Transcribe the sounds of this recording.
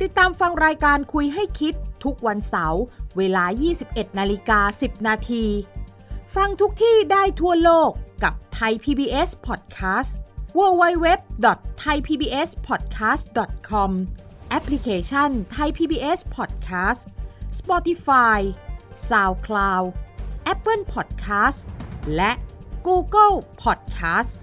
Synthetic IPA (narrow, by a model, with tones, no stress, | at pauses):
t̪i˨˩t̪ːaː˧mfa˧ŋɾaː˧jkaː˧nkʰu˧jɦa˥˩jkʰi˦˥t̪ʰːu˦˥k̚wa˧nsa˩˦wweː˧laː˧jiː˥˩si˨˩p̚ʔe˨˩t̪̚naː˧li˦˥kaː˧si˨˩p̚naː˧t̪ʰiː˧ | fa˧ŋt̪ʰu˦˥k̚t̪ʰiː˥˩daː˥˩jt̪ʰu˥˩ɐloː˥˩kːa˨˩p̚t̪ʰa˧jpʰiː˧biː˧ʔe˦˥spʰɔː˨˩t̪̚kʰaː˦˥swu˧wa˧˥jwe˦˥p̚dɔ˨˩t̪ʰːa˧jpʰiː˧biː˧ʔe˦˥spʰɔː˨˩t̪̚kʰaː˦˥sdɔ˨˩t̪̚kʰɔ˧mʔɛ˦˥pʰli˧˥kʰeː˧t͡ɕʰa˥˩nt̪ʰa˧jpʰiː˧biː˧ʔe˦˥spʰɔː˨˩t̪̚kʰaː˦˥sspɔ˧˥t̪i˧˥faː˧jsaː˧wkʰlaː˧wʔɛ˦˥pːɤ˥˩npʰɔː˨˩t̪̚kʰaː˦˥slɛ˦˥ʔkuː˧kɤ˥˩lpʰɔː˨˩t̪̚kʰaː˦˥s